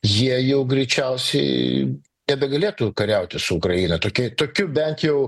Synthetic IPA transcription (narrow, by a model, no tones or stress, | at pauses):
jiɛjɛʊɡɾʲɛɪt͡ʃʲɛʊsʲɛ̰ɪ | nʲɛbʲɛɡɐlʲeːt̪uːkɐɾʲɛʊt̪ʲɪsʊʊkɾɐjiːnɐt̪oːkʲiɛt̪oːkʲʊbʲɛnt̪jɛʊ